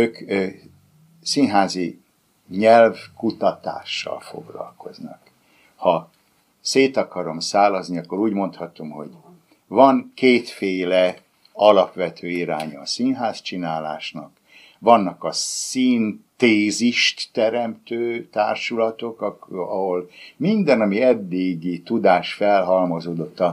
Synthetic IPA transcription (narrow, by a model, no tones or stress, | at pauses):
øːk | sinɦaːzi | ɲɛlvkut̪ɒt̪a̰ːʃːɒ̰lfo̞̰ɡlɒ̰lko̞znɒ̰k | hɒ | seːt̪ɒkɒɾo̞msaːlɒzniɒkːo̞ɾuːɟmo̞nt̪hɒt̪o̞mho̞̰ɟ | vɒŋkeːt̪feːlɛ | ɒlɒpʋɛt̪ʰøːiɾaːɲɒːsinɦaːst͡ʃinaːlaːʃnɒk | ʋɒnːɒkɒsint̪eːziʃt̪ːɛɾɛmt̪øːt̪aːrʃulɒt̪o̞kɒɦo̞lmind̪ɛnɒmiɛd̪ːiɡit̪ud̪aːʃfɛlɦɒlmozoːd̪o̞t̪ːɒ